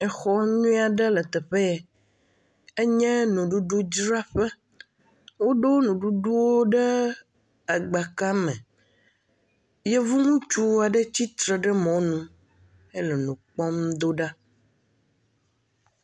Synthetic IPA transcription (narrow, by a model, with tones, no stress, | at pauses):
ɛ˨xɔ˦ɲũ˦a˨ɖe˦le˨t̪ɛ˨ɸe˦˨ | e˦ɲɛ̃˦nũ˨ɖu˦ɖu˦d͡ʒɾa˦ɸe˦ | wo˦ɖo˦nũ˨ɖu˦ɖu˦wo˦ɖe˦ | a˨ɡ͡ba˨ka˦mɛ̃˨ | je˦vu˦nũ˦t͡ʃu˦a˨ɖe˦t͡ɕi˦t̪ɾe˨ɖɛ˦mɔ̃˨nũ˦ | e˦le˨nũ˨k͡pɔ˦md̪o˦ɖa˦